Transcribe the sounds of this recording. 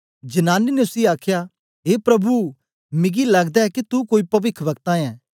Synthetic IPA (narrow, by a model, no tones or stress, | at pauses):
d͡ʒɐnaːninʊsiaːkʰja | ɦeːpɾɐbu | mɪɡilɐɡd̪aɦɛkit̪ukoːipɐʋɪkʰʋɐkt̪ãɛ̃ː